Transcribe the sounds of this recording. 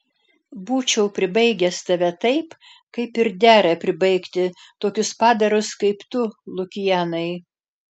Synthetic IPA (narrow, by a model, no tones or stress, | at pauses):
buːt͡ʃʲɛʊpʲɾʲɪbɐɪɡʲɛst̪ɐʋʲɛt̪ɐɪp | kɐɪpɪɾd̪ʲæːɾʲɛpʲɾʲɪbɐɪkt̪ʲɪt̪oːkʲʊspɑːd̪ɐɾʊskɐɪpt̪ʊlˠʊkʲɪjæːnɐɪ